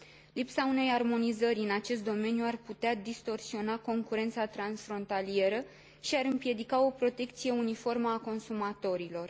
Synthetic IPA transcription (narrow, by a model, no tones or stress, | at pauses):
lipsaune̞jarmo̞nizəɾʲɨnat͡ʃe̞st̪d̪o̞me̞njuarput̪ead̪ist̪o̞rsio̞nako̞ŋkuɾe̞nt̪sat̪ɾansfɾo̞nt̪alie̞ɾə | ʃiaɾɨmpje̞d̪ikao̞pɾo̞t̪e̞k̚t̪sije̞unifo̞rməako̞nsumat̪o̞ɾilo̞r